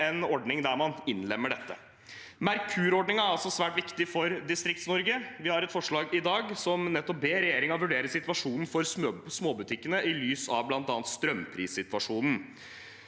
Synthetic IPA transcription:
ɛnɔɖnɪŋd̪æɾmɑnɪnlɛmːəɖɛt̪ːə̰ | mæɾkʰʉːɾɔɖɳnɪŋæɾɑlsɔsʋæːʈʋɪkt̪ɪfɔɾd̪ɪst̪ɾɪk̚t̪snɔɾɡəʋɪhɑɾɛt̪fɔʂɭɑːɡɪd̪ɑːɡsɔmnɛt̪ːɔp̚beːɾɛjeːɾɪŋɑʋʉɖeːɾəsɪt̪ʋɑʂuːnn̩fɔɾsmoːbʉt̪ʰɪkːənəʔɪlyːsɑ̰ʋblɑnt̪ɑːnt̪st̪ɾœmpʰɾiːsːɪt̪ʋɑʂuːnn̩

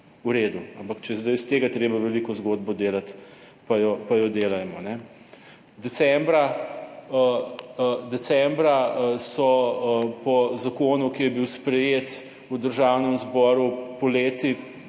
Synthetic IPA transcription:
uɾeːd̪uampɐkt͡ʃɛjɛzd̪ajst̪eːɡat̪ɾeːbaʋɛlikɔzɡod̪̚bɔd̪eːlat̪ | pajɔpajɔd̪eːlajmɔnɛ | d̪ɛsɛmbɾa | d̪ɛsɛmbɾasɔpɔzakoːnukijɛbiwspɾɛjeːt̪ | ud̪əɾʒawnəmzbɔɾupɔleːt̪i

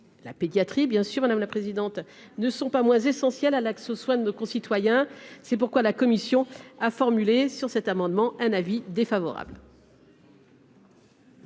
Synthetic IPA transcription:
la̰ped̪jat̪χibjɛ̃syʁmad̪amlapχezid̪ɑ̃t̪ | nəsɔ̃pamwɛ̃zesɑ̃sjɛlalaksoswɛ̃d̪ənokɔ̃sit̪wajɛ̃sɛp̬uʁkwalakɔmisjɔ̃afɔʁmylesyʁsɛt̪amɑ̃d̪mɑ̃ɛ̃navid̪efavɔ̰ʁa̰bl

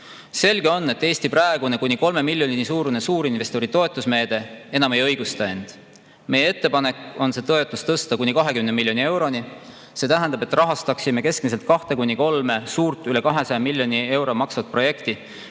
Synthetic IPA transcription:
se̞lɡ̥e̞o̞nːe̞t̪ːˑe̞ːst̪ipræeɡ̥une̞kunʲiko̞lme̞milʲjo̞ninisuːɾune̞suːɾinve̞st̪oɾit̪o̞e̞t̪ːˑusme̞ːd̪̥e̞e̞nɑme̞jɤ̞jɡ̥ust̪eend̪̥ | me̞jeet̪ːepɑne̞ko̞nse̞ːt̪oe̞t̪ːˑust̪ɤst̪ɑkunʲːikɑɦe̞kymnemilʲjo̞nie̞wɾo̞ni | se̞ːt̪æɦænd̪ɑbe̞t̪ːˑrɑɦɑst̪ɑksime̞ke̞skmise̞lt̪̚kɑht̪e̞kunʲiko̞lme̞suːrt̪ˑyle̞kɑɦe̞sɑjɑmilʲːjo̞nʲie̞wɾo̞mɑksɑvɑt̪̚pro̞je̞kt̪i

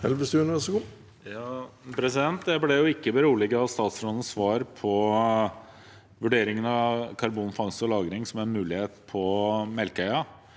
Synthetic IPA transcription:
hɛlʋəst̪ʉnɛsəku | jɑːpʰɾɛsɪd̪ɛnt̪d̪ɛblɛjʊɪkːəbəɾuːlɪɡəɑst̪ɑːt̪sɾɔnən̩sʋɑːɾpʰɔ | ʋʉɖeːɾɪŋənɑkʰɑɾbuːnfɑŋsəɔlɑːɡɾɪŋsɔmænmʉːlɪheːt̪pʰɔmɛlkœʏɑ

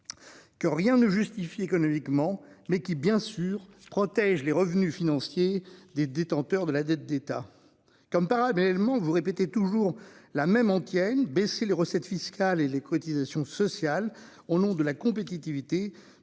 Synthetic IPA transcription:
kəʁjɛ̃nəʒyst̪ifiekɔnɔmikmɑ̃mɛkʲibjɛ̃syʁpχɔt̪ɛʒleʁəvnyfinɑ̃sjed̪ed̪et̪ɑ̃t̪œʁd̪əlad̪ɛt̪̚d̪et̪a | kɔmpaʁalɛlmɑ̃vuʁepet̪et̪uʒuʁlamɛmɑ̃t̪jɛnbeseleʁəsɛt̪fiskʲalelekʰɔt̪izasjɔ̃sɔsjal | onɔ̃d̪əlakɔ̃pet̪it̪ivit̪e

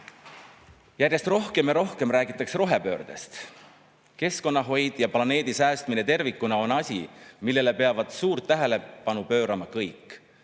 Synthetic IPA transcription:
jærjest̪ro̞hke̞mjɑɾo̞hke̞mɾæːɡ̥it̪ːˑɑksro̞ɦe̞pø̞ːrd̪̥e̞st̪ | ke̞sko̞nːɑɦo̞jd̪̥jɑplɑne̞ːd̪̥isæːst̪mine̞t̪e̞rvikːunɑo̞nɑsʲimilːe̞le̞pe̞ɑvɑd̪̥suːɾt̪ːæɦe̞le̞pɑnupø̞ːɾɑmɑkɤjkˑː

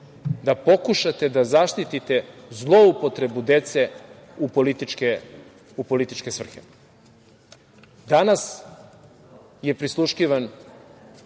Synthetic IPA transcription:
d̪apo̞kuʃat̪e̞d̪azaʃt̪it̪it̪e̞zlˠo̞upo̞t̪ɾe̞bud̪e̞t̪se̞ | upolit̪it͡ʃke | upo̞lit̪it͡ʃke̞sʋr̩xe | d̪anas | je̞pɾislˠuʃkiʋan

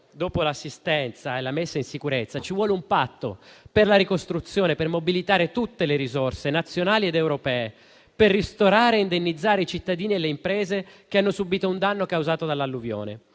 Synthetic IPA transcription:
d̪oːpolasːist̪ɛnt̪saelamesːainsikuɾet̪sːat͡ʃivwɔːleumpat̪ːo̰perlaɾikost̪ɾut̪sːjoːnepermobilit̪aːɾet̪ut̪ːeleɾizorsenat̪sːjonaːlied̪ɛwɾopɛːe | perːist̪oɾaːɾeind̪enːid̪zːaːɾeit͡ʃit̪ːad̪iːniɛlːeimpɾɛːzek̟eanːosubiːt̪ound̪anːokawzaːt̪od̪alːalːuvjo̰ːnḛ

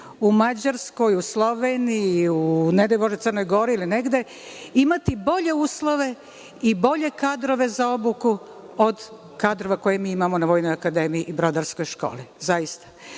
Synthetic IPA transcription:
umad͡ʑaɾsko̞juslˠo̞ʋenijiuned̪elʲumoʒd̪ot̪ərno̞jɡo̞ɾiːlineɡd̪e̞ | imat̪ibo̞ʎe̞uːslˠo̞ʋe̞ | ibo̞ʎe̞kaːd̪ɾo̞ʋe̞zao̞buku | od̪ | kaːd̪ɾo̞ʋako̞jemiːimamo̞naʋo̞jnojakad̪e̞mijiʔibɾo̞d̪aɾsko̞jʃko̞̰ːlizajist̪ḁ

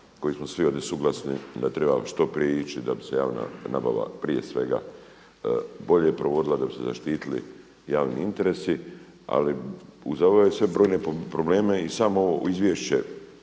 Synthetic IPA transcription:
ko̞jismosʋio̞d̪jesuɡlˠasnid̪at̪ɾe̞ba̰ʃt̪o̞pɾijeit͡ʃid̪abi̥se̞jaːʋna̰naba̰ʋa̰pɾije̞sʋe̞ɡa̰ | bo̞ʎejpɾo̞ʋo̞d̪ilad̪abiseza̰ʃt̪iːt̪ilḭ | jaːʋnḭint̪e̞ɾe̞si | a̰liuzabaʋesʋe̞bɾo̞ːjne̞pɾo̞ble̞ːme̞isaːmooʋoizʋjeʃt͡ɕḛ

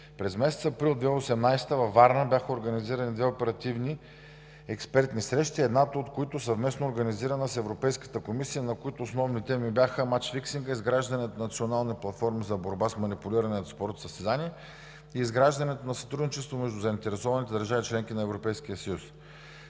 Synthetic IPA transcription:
pɾɛzmɛsɛt̪sɐpɾilˠd̪vɛosɛmnajst̪əvɐvaɾnəbʲjaxəoɾɡəniziɾɐnid̪vɛopɛɾɐt̪ivni | ɛkspɛɾt̪nisɾɛʃt̪iɛd̪nat̪oot̪koit̪ʊsɐvmɛsnoːɾɡɐniziɾənəsɛvɾopɛjskə̥t̪əkomisijənɐkoit̪ʊːsnɔvnit̪ɛmibjaxəmat͡ʃfiksiŋɡəizɡɾaʒd̪ɐnɛt̪nnɐt̪sionalˠniplˠɐt̪fɔɾmizɐboɾbasmɐnipulʲiɾɐnɛnɐspɔɾt̪səst̪ɛd̪aniɛ | iːzɡɾaʒd̪ɐnɛt̪onɐsɐ̥t̪ɾud̪nit͡ʃɛst̪vomɛʒd̪ʊzəint̪ɛɾɛsɔvɐnit̪ɛd̪əɾʒavit͡ʃlɛŋkinɐɛvɾopɛjsk̟ijəsəjus

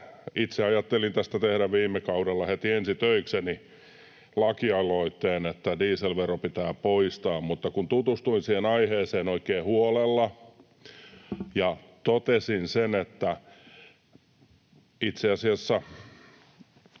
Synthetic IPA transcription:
it̪seɑjɑt̪ːelint̪æst̪æt̪ehɾæʋʋiːmːekɑudelːɑhet̪iensit̪øikseni | lɑkiɑloit̪ːeːnet̪ːædiːselʋeropit̪æːpoist̪ɑːmmut̪ːɑkunt̪ut̪ust̪uinsiːhenɑiheːseːnoikeːhuolelːɑ | jɑ | t̪ot̪esinsenet̪ːæ | it̪seɑsiɑsːæ

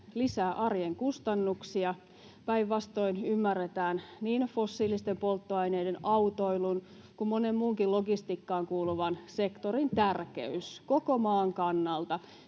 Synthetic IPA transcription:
lisæːʔɑrjeŋkust̪ɑnːuksiɑ | pæiʋʋɑst̪o̞inymːærːet̪æːnniːnfosːiːlist̪empolt̪ːoɑineidenɑut̪o̞ilun | kummonemmuːŋkiloɡist̪ikːɑːŋkuːluʋɑnsekt̪oɾint̪ærkḛyskokomɑːŋkɑnːɑlt̪ɑ

